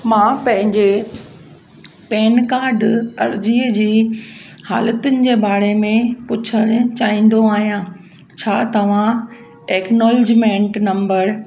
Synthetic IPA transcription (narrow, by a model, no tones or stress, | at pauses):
mãːpɐ̃ɦɪ̃ɲd͡ʑe | pɛːnkaːɾɖɐ̰ɾd͡ʑiːəd͡ʑiː | ha̰ːlət̪ʊnɪ̆d͡ʑeːbaːɾemẽpʊt͡ɕʰəɽ̃t͡ɕaːɦĩːn̆d̪oaːɦijã | t͡ɕʰaːt̪ɐʋ̤ã | eːknɔːlɪd͡ʑmẽːɳʈnɐ̃mbəɾ